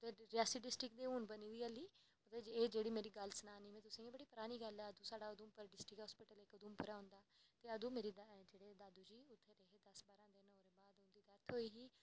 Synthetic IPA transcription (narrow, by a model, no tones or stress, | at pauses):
t̪eːɾɪaːsiɖɪsʈɾɪkd̪eːɦuːnbəniːd̪iːəliː | t̪eːd͡ʒeːɽiːmeːɾiːɡəlsənaːniːmɛ̃ːt̪ʊsĩẽːbəɽiːpʊɾaːniːɡəlɛːəd̪ũːsaːɽaːʊd̪ũːmpəɾɖɪsʈɾɪkɦɔːspɪːʈəlekʊd̪ũːmpəɾaːʊ̃nd̪aːt̪eːəd̪ũːmeːɾiːd̪d͡ʒeːɽeːd̪aːd̪uːd͡ʒiːʊt̪ʰːeɾeɦeːd̪ɐsbaːɾãːd̪enoɾebaːd̪ʊ̃nd̪iːd̪ət̪ʰoːiːɦiː